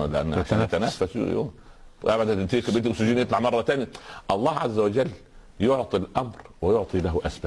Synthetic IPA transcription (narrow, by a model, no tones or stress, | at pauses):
lːæʔæ̰nːaʃæːnt̪ænæːfæsṵjo̰ | ʔæbad̪æt̪ikbelt̪sʊd͡ʒiːnjet̪ˤlɑʕmɑrˤːɑt̪æːnæʔɑlˤːɑːhʕazːæwɪd͡ʒælː | joʕt̪ˤilʔæmɾwɪjoʕt̪ˤilæɦʔæsbæ